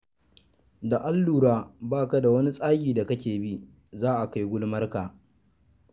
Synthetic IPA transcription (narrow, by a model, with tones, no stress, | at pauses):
da˨ʔa˦lːuː˨ɾaː˦baː˦ka˨da˨wɐ˦ni˦sʼaː˦ɡʲiː˨da˨kɐ˦kʲeː˨bi˦ | zaː˦ʔa˨ka˦jɡʷʊ˦lmɐ˦rkaː˨